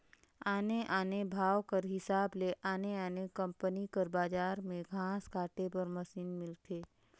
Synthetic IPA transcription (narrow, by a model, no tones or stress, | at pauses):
aːneʔaːnebʱaːwkəɾɦɪsaːbleʔaːneaːnekɐ̃mpənikəɾbaːd͡ʒaːɾmẽɡʱãːskaːʈepɐɾmɐsiːnmɪlt̪ʰeː